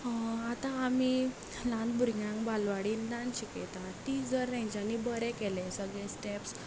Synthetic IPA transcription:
at̪ãami | lãnt̪̚bʱuɾɡjãŋbalʋaɽiːnd̪ãnɕikɛ̰t̪aʈid͡zəɾːẽɲd͡ʑanibəɾɛkɛlɛsəɡɭɛ̃sʈɛps

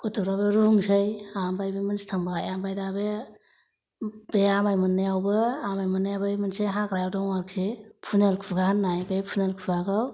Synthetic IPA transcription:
kutʰuɾabeɾuŋsɯjambajbimɯnstʰaŋbaajambajdabe | beamajmɯnːajawbɯamajmɯnːajabɯmɯnseɦakɾajawdɔŋaɾkʰepʰunelkʰuɡaɦanːajbepʰunelkʰuaɡɯw

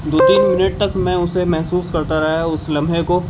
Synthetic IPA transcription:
d̪oːt̪iːnmɪnəʈ̚t̪ɐkmɛ̃ʊsemɛɦsuːskɐɾt̪aɾɐɦaʊslɐ̃mbʱɦeko

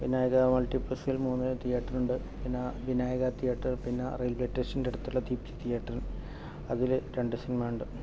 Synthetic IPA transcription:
ʋinaːjɐɣɐmɐlʈipːɐsjilmuːnːɐt̪ijaːʈːɐnuɳɖɨ | pinːɐʋinaːjɐɣɐt̪ijaːʈːɐrpinːɐrejlbleʈːeʂɐndeɽut̪ːuɭːɐd̪iːpt͡ɕɐ̥t̪ijaːʈːɐrɐn | ɐðilɾeɳɖɨsinimajuɳɖɨ

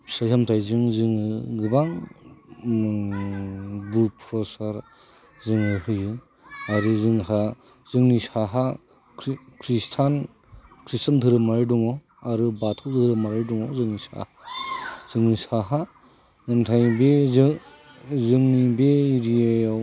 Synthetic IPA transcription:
sajhamtʰajzɯŋzɯŋɯɡɯbaŋ | buɾpʰɾɔsaɾ | zɯŋɯɦɯjɯ | aɾɯzɯŋɦa | zɯŋnisaɦa | kʰɾistʰan | kʰɾistʰandʰʱɯɾɯmaɾɯduŋɔ | aɾɯbatʰɔwdɯɾɯmaɾɯduŋɔzɯŋnisa̰hazɯŋnisaɦa | namtʰajbez | zɯŋnibeiɾiejaw

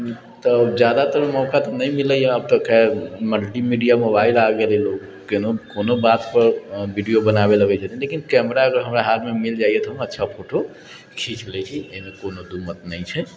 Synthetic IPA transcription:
t̪ɔd͡ʒjad̪at̪əɾmɔkat̪ɔnəjmiləjəb̚t̪əkːaməlʈimiɖijamobailaɡelelok | kenokonobat̪pəɾbʱiɖijobənabeləɡɛd͡ʒat̪ilekinkɛməɾakəɦəmɾaɦat̪memild͡ʒajet̪ɦəmətːʃʰapʰoʈo | kʰit͡ʃlɛt͡ʃʰieimekonod̪umət̪nəɪt͡ʃʰɛ

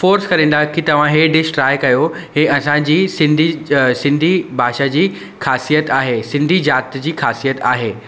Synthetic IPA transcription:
foːɾskɐɾẽːn̆d̪akit̪ɐʋ̤ãɦeːɖɪʃʈɾaːɪkɐjo | ɦeɐsãd͡ʑiːsɪ̃nd̪ʱisɪ̃nd̪ʱibʱaːʃad͡ʑiː | xaːsijət̪aːɦesɪ̃nd̪ʱid͡ʑaːt̪d͡ʑiːxaːsijət̪aːɦeː

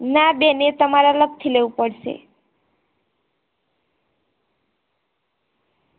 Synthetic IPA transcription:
nabenet̪ʌmaɾalʌb̚t̪ʰilewpʌɽt͡sʰḛ

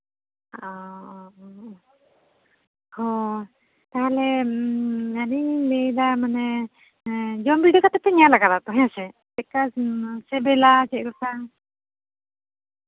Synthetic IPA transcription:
ɔ | hɔ | t̪aɦalɛ | anilɛlamanɛ | d͡ʒɔmbiɖɔkat̪ɛt̪ɛɲalaɡaɾat̪ɔɦɛɲasɛtɛkasɛbɛlat͡ʃɛkɔk̪a

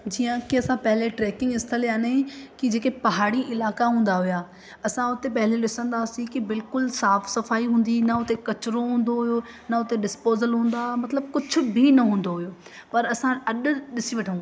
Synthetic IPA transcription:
d͡ʑiːə̃kiɐsãpɐɦɪleʈɾɛːkɪ̃ŋɡɪst̪ʰəljãːnkid͡ʑeːkepɐɦaːɽiʔɪlaːkaɦũːnd̪aɦʊjaː | ɐsãʊt̪epɐɦɪleɗɪsə̃nd̪aːsĩkibɪlkʊlsaːfʰsɐfaːiɦũːn̆d̪inɐʊt̪ekɐt͡ɕɾõɦũːnd̪oɦʊjoː | nɐʊt̪eɗɪspoːzəlɦũːnd̪amɐt̪ləbkʊd͡ʑʱʰʊ̆bʱinɐɦũːn̆d̪oɦʊjoː | pɐɾɐsãɐɗʊ̆ɗɪsiʋɐʈʰəũː

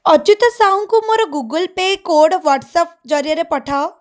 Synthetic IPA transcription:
ɔt͡ʃut̪əsaːũŋkumoɾɔɡuɡəlpekoːɖʋaːʈsəp̚d͡ʒɔɾjəɾepɐʈʰa

